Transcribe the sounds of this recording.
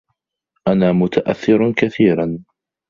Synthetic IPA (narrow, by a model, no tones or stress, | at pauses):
ʔanaːmʊt̪ʰaʔaθːɪɾkaθiːɾan